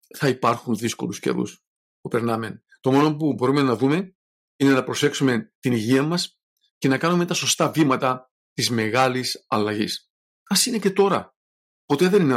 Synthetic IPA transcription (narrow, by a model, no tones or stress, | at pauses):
θɐipɐɾxunðisko̞̰luscḛɾṵs | pupe̞ɾnɐmen | t̪o̞mo̞no̞pubo̞ɾume̞nɐðume̞ | ine̞nɐpɾo̞se̞ksume̞t̪iniʝiɐmɐs | ce̞nɐkɐnumet̪ɐso̞st̪ɐvimɐt̪ɐ | t̪izme̞ɣɐlisɐlɐʝḭs | ɐsine̞ce̞t̪o̞ɾɐ̰ | po̞t̪e̞ðe̞nine